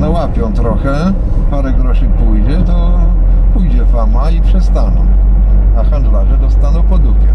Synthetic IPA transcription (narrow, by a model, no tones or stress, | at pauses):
nɔwapʲjɔ̃w̃t̪ɾɔxɛ | paɾɛkɾɔɕipujd͡ʑɛt̪ɔ | pujd͡ʑɛfamaipʂɛst̪anɔ̰̃w̃axand̪laʐɛd̪ɔst̪anɔ̃w̃pɔd̪uɡʲjɛ